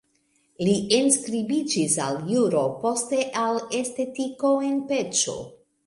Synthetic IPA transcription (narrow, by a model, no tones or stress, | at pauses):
lienskɾibid͡ʒisa̰ljuɾo̞po̞ste̞ʔale̞ste̞tiko̞e̞npe̞t͡ʃo̞̰